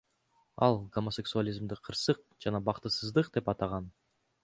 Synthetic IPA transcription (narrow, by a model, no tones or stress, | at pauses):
ɑlˠɡo̞mosʲe̞ksualʲizmd̪ɪqʰɯɾsɯq̚d͡ʒɑnɑbɑqt̪ɯsɯzd̪ɯqd̪e̞pɑt̪ɑʁɑn